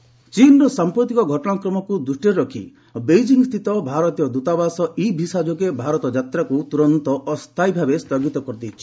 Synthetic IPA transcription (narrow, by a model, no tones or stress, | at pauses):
t͡ʃinɔɾɔsampɾɔt̪ikɔɡʱɔʈɔɽ̃akɾɔmɔkud̪ɾusʈeɾɔkʰḭ | bejd͡ʒiŋɡst̪ʰit̪ɔbʱaɾɔt̪ijɔd̪ut̪abasɔibʱisad͡ʒɔk̬ebʱaɾɔt̪ɔd͡ʒat̪ɾakut̪uɾɔnt̪ɔʔɔst̪ʰajbʱabest̪ɔɡit̪ɔkɔɾt̪it͡ʃʰi̥